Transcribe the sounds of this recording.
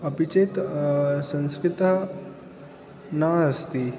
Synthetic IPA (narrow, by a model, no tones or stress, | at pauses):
əpit͡ʃet̪sə̃nskɾɪt̪ | naəst̪i